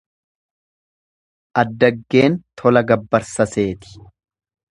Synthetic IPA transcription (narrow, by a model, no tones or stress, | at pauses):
ʔɐd̪ːɐɡːe̞ːnt̪ʰɔlɐɡɐbːɐɾsɐse̞ːt̪ɪ̥